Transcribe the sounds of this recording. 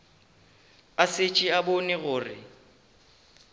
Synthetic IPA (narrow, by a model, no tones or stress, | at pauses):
asɪt͡ʃʼɪabonɪɣʊːrɪ̰